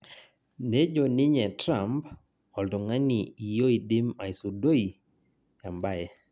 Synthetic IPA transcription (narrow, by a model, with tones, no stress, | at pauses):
ne˦d͡ʒo˨nɪ˦ɲɛ˨tɾa˨mp | ɔ˨ldo˨ŋa˦ni˨i˨jo˦i˨dɪ˦ma˨i˨su˨do˦i˨ | ja˨mba˦ɛ˨